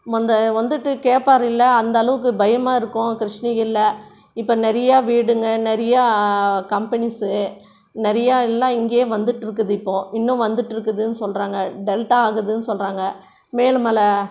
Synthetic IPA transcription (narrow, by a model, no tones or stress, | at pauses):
mɔnd̪ɐʋɐnd̪ɯʈːɯkeːʈpːaːɾɪlːɐɐnd̪ɐːlɐʋɯk̬ːɯbɐjɐmaːɪɾɯkːʊ̃kɪɾɪʂɳɪɣɪlːɐ | ɪpːɐnɛɾɐjaːʋiːɽɯŋɡɐnɛɾɐjakɐmpɐnɪsɯ | nɛɾɐjaːɪlːãːɪŋɡeʋɐnd̪ɯʈːɪɾɯk̬ːɐðɯɪpːõːɪnːʊ̃ʋɐnd̪ɯʈːɪɾɯkːɐðɯnːɯsɔlraːŋɡɐɖɛlʈaaːɣɯðɯnːɯsɔlraːŋɡɐ | meːlɯmɐlɐ